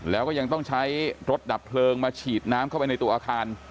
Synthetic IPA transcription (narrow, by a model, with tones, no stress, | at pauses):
lɛː˦˥wkɔː˥˩ja˧ŋt̪ɔ˥˩ŋt͡ɕʰa˦˥jɾo˦˥t̪̚da˨˩pʰlɤː˧ŋmaː˧t͡ɕʰiː˨˩t̪̚naː˦˥mkʰa˥˩wpa˧jna˧jt̪u˧ɐʔaː˧kʰaː˧n